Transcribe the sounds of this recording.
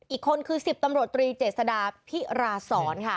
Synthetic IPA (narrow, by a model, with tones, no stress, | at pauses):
ʔiː˨˩kʰːo˧nkʰɯː˧si˨˩p̚t̪a˧mɾu˨˩ət̪ːɾiː˧t͡ɕeː˨˩t̪̚sa˧daː˧pʰi˦˥ɾaː˧sɔː˩˦nkʰa˦˥˩